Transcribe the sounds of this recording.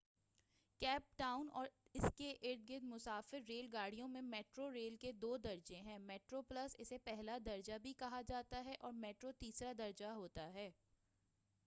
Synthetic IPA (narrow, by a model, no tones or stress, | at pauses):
kɛːp̚ʈaːʊnɔːɾɪskeʔɪɾd̪̚ɡɪd̪mʊsaːfɪɾːeːlɡaːɽ̤ijõmẽmɛːʈɾoɾeːlked̪oːd̪ɐɾd͡ʒẽɦɛ̃ːmɛːʈɾoplɐsɪsepɛɦlad̪ɐɾd͡ʒabʱikɐɦad͡ʒaːt̪aɦɛʔɔːɾmɛːʈɾot̪iːsɾad̪ɐɾd͡ʒaɦoːt̪aɦɛː